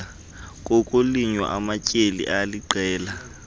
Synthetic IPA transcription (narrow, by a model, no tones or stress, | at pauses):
kʼokʼoliɲwa̰ʔa̰macʼelḭʔaliǃɛːla